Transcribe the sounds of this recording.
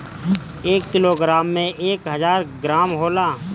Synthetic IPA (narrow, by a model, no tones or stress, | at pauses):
eːkːɪloɡɾaːmːẽʔeːkɦəzaːɾɡɾaːmɦoːlaː